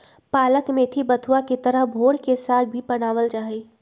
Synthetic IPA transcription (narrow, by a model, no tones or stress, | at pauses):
paːləkmẽt̪ʰibət̪ʰuaket̪əɾəɦbʱoːɽkesaːt̪̚ʰbʱipəɽ̃aːʋəlt͡ʃaːɦi